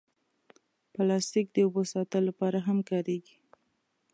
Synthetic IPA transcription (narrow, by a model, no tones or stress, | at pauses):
pəlɑst̪ik̚d̪əobosɑt̪əlːapɑɾaɦamkɑɾeɡi̥